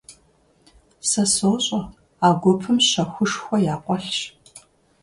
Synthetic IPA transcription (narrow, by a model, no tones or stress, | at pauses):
sɐsoːɕʼɐ | aːɡʷʊpʰɨmɕɐxʷʊʂxʷɔjaːqʷɔɬɕ